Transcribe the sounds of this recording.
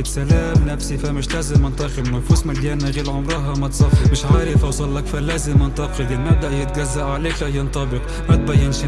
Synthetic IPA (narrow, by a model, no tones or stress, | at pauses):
t̪salæːmnæfsifamɪʃlæːzɪmʔɪnt̪ˤɑqɪlnʊfuːsmaljæːnaɣiːlʕʊmɾˤɑɦɑmæt̪sˤɑfːɪmɪʃʕaːɾɪfʔawsˤɑlːɑkfalæːzɪmʔɑnt̪ˤɑxɪld̪ilmab̚d̪aʔjɪt̪̚ɡæzːaʔʕaleːklæhjɑnt̪ˤɑbɪq | mæt̪̚bæjːɪnʃ